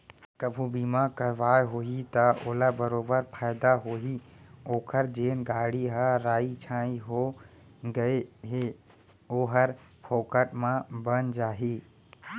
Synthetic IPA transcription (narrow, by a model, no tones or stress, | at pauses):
kəbʱũbimakəɾʋaeɦoːit̪əoːlabəɾoːbəɾpʰaɪd̪aɦoːɦioːkʰəɾd͡ʒenɡaːɽiɦəɾaːit͡ʃʰãiɦo | ɡəeɦe | oːɦəɾpʰoːkəʈmãbənd͡ʒaːɦi